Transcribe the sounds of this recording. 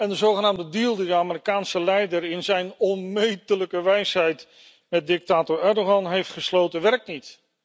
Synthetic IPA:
ɛndəzowχənaːmdədilˠdidəaːmɪɾikaːnsəlɛjdəɹɪnzɛjnɔnmejtələkəʋɛjsɦɛjt | mɛt̚dɪk̚taːtɔɹɛɹdoɑnɦejftχəslowtənʋɛɹk̚nit

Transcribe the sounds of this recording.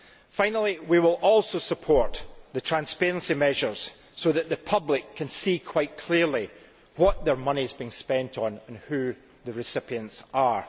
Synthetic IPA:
fãɪ̃nəl̩ˠiwiwɪlˠɔlˠsosəpʰɔɹʔðətʰɹ̥ãnspeɹə̃nsimɛʒə˞z̥ | soðəʔðəpʰʌblˠɪkʰːə̃nsikʰw̥aɪʔkʰl̥iɹlˠi | wɔʔðə˞mʌnizbiɪ̃ŋspɛ̃ntʰn̩ə̃nhʉ | ðəɹɪsɪpiə̃ntsə˞

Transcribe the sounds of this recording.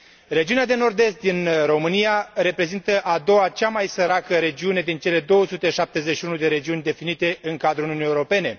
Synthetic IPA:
re̞d͡ʒiunead̪e̞no̞rd̪e̞st̪̚d̪inro̞mɨnijaɾe̞pɾe̞zint̪əʔad̪o̞wat͡ʃamajsəɾakəɾe̞d͡ʒiune̞d̪int͡ʃe̞le̞d̪o̞wəsut̪e̞ʃap̚t̪e̞zeʃiunud̪e̞ɾe̞d͡ʒiunʲd̪e̞finit̪e̞ɨŋkad̪ɾuunʲiunijeuɾo̞pe̞ne̞

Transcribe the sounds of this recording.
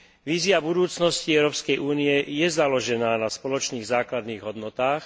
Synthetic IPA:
ʋiːzɪabud̪uːt͡snɔsciɛʊɾɔːpskɛjʔuːniɛjɛzalɔʒɛnaːnaspɔlɔt͡ʃniːɣzaːklad̪niːɣɦɔd̪nɔt̪aːx

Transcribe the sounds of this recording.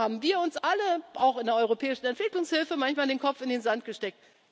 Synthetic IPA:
aːbm̩viːɐʊnsʔaləʔaʊxɪndeɐʔɔʏʁopʰɛːɪʃn̩ɛntv̥ɪklʊŋshɪlfəmançmaːldeːnkʰɔp͡fɪndeːnzant̚ɡ̥əʃtɛk̚t

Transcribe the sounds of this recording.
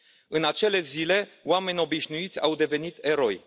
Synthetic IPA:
ɨnat͡ʃe̞le̞zile̞wame̞nʲo̞biʃnuit̪sʲawd̪e̞ve̞nit̪e̞ɾo̞j

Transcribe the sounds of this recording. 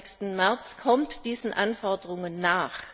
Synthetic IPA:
kstn̩mɛɐt͡skʰɔmtd̥iːzn̩ʔanfɔɐdəʁʊŋənːaːχ

